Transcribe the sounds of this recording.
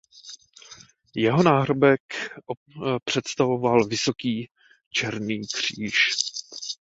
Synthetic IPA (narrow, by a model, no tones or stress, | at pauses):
jɛɦo̞naːɦɾobɛk | pr̝̥ɛt̪st̪avo̞valvɪso̞kiː | t͡ʃɛɾniːkr̝̥iːʃ